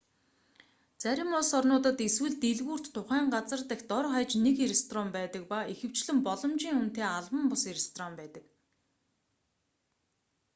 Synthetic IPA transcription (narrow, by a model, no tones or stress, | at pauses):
t͡sæɾʲɪ̆mʊɮsɔrnʊːt̪ə̆t̪eswɘ̆ɮt̪eɮɣuːr̥t̪ʰːʊχæːɴɢat͡sə̆rt̪ext̪ɔɾχajt͡ɕnekeɾest̪ʰɔrɔmpæːt̪ə̆k̚paixɘ̆w̥t͡ɕɮɘ̆mpɔɮɞ̆mt͡ɕiːŋun̥t̪eːaɮwə̆mpʊseɾest̪ʰrɔmpæːt̪ə̆k